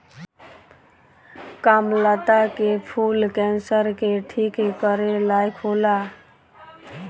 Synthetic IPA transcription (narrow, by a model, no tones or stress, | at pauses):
kamlat̪akepʰulkɛnsəɾkeʈʰikkəɾelajkʰola